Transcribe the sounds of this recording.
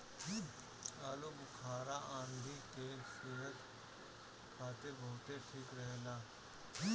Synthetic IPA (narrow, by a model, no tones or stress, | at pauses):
ki | aːlobʊkʰaːɾaʔãːnd̪ikeseːɦət̪ | kʰaːt̪ebʱoːt̪eʈʰikɾɛɦlaː | ki